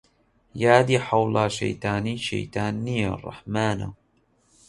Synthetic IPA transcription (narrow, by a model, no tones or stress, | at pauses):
jaːd̪iːħawlaːʃa̰jt̪aːniʃa̰jt̪aːnijarˤːɑ̰ħmaːna̰